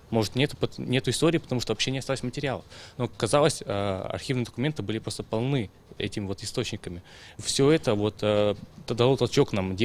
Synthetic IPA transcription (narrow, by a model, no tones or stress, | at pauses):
mo̞ʐɨt̪nʲet̪ʊpət̪nʲe̞t̪ʊɪst̪oɾʲɪiːpət̪ɐmuʂt̪ovɐpɕːenʲɪɐst̪aləsʲmətʲɪɾʲɪalˠəfno̞kɐzalˠəsʲə̰ɐ̰rxʲivnɨjd̪əkʊmʲe̞nt̪ɨbɨlʲɪpɾo̞st̪əpɐlˠnɨ | ɛ̰tʲɪmʲɪvo̞t̪ɪst̪o̞t͡ɕnʲɪkəmʲɪ | fsʲoɛt̪əvo̞t̪əd̪ɐlˠot̪ɐlˠt͡ɕo̞knamdʲe